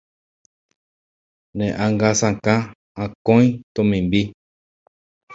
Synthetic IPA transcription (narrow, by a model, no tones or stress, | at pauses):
nẽʔaŋɡasãkã | ãkõĩt̪õmĩmbi